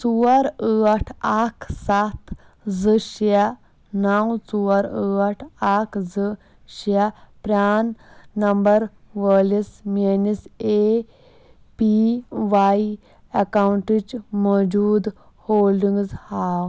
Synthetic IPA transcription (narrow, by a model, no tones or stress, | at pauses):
t͡suɐɾəaʈʰakʰsat̪ | zɨɕa | nawt͡suwɐɾəɐʈʰakʰzɨ | ɕapɾʲaːnːɐmbəɾ | ʋəlismenise | piʋai | ɐkawuɳʈit͡ʃmɔd͡ʒuːd̪ | hoːlɖiŋɡzhaːw